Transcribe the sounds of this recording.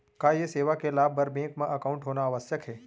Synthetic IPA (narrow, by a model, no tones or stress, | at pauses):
kajeseʋakelabəɾbẽŋkmãʔəkaũɳʈɦonaːʋəsjəkɦe